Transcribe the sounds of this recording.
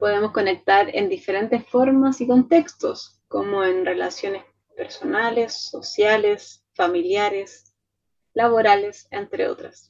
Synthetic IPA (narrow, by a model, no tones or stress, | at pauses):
po̞ðe̞mosko̞ne̞k̚t̪aɾḛnd̪ifeɾe̞nt̪esfo̞ɾmasiko̞nt̪e̞kst̪os | komoenre̞lasjo̞nes | pe̞ɾso̞nalesːosjales | familjaɾes | laβoɾale̞sent̪ɾḛo̰t̪ɾas